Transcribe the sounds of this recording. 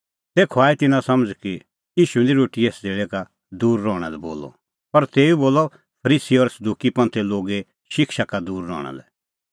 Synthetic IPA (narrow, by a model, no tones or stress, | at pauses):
t̪eːkʰɔaːit̪ɪnãsɐ̃məd͡zki | jiːʃũniɾoːʈieːsd͡zeːɭɛka | d̪uːɾːɔːɽ̃ɛ̰lɛbo̰ːlɔ̰ | pɐɾt̪eːuboːlɔ | pʰɐɾiːsiɔɾsɐd̪uːkipɐ̃nt̪ʰɛloːɡe | ʃɪkʃakad̪uːɾːɔ̰ːɽ̃a̰lɛ